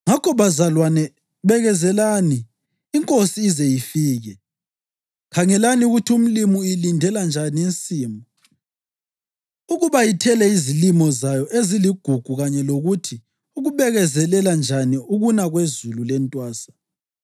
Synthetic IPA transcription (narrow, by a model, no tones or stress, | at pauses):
ŋakʰɔβazalwanɛ | βɛɣɛzɛlaniː | ŋkʼosiːzɛjifiːɣɛ | kʰaŋɛlaniuɣutʰum̩limuilindʱɛland͡ʒʱanint͡sʼiːmbʱɔ | uɣuβajitʰɛlɛizilimɔzajɔʔeziliɡ̥ʱuɡ̥ʱuɣaɲɛloɣutʰi | uɣuβɛɣɛzɛlɛland͡ʒʱaniuɣunaɣwezululɛntʼwaːsḁ